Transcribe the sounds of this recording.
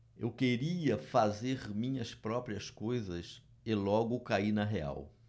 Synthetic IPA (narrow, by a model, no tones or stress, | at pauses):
ḛwkeɾiɐfazeɾmĩɲɐspɾɔpɾiɐskojzɐs | ɪlɔɡʊkainɐɦea̰w